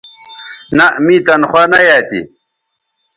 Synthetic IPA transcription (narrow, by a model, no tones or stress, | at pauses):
naʔmit̪ɐnχwaːnɐjaːt̪ḭ